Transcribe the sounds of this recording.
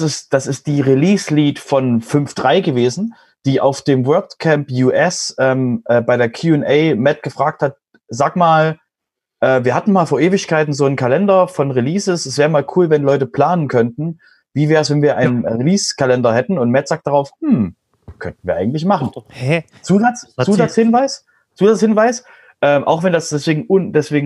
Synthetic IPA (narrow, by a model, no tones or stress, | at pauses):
sɪsd̥asɪst̚d̥iːʁiliːsliːtfɔnfʏnfd̥ʁaɪɡəveːzn̩ | d̥iːʔaʊfd̥eːmwœɐtkʰɛmpjuːʔɛsʔɛːmʔɛːbaɪɾeːɐkʰjuːɛnʔɛɪmɛt̚ɡ̥əfʁ̥aːk̚that̚ | zaːkmaːl | ʔɛːviːɐɦatn̩maːlfoːɐʔeːvɪçkʰaɪtn̩zoːnkʰalɛndɐfɔnʁiliːsɪsɛsvɛːʁəmaːlkʰuːlvɛnlɔʏtəpl̥aːnənkʰœntn̩ | viːvɛːʁəsv̥ɛnviːɐʔa̰ɪnənʁiliːskʰalɛndɐhɛtn̩ʊntmɛtz̥aːk̚td̥aʁaʊfhm̩ | kʰœntn̩viːɐʔa̰ɪɡŋ̩tlɪçmaχn̩ | t͡suːzasuːdashɪnvaɪs | t͡suːdashɪnvaɪs | ʔɛːmʔa̰ʊxv̥ɛndasd̥ɛsv̥eːɡŋ̩ʊndɛsv̥eːɡŋ̩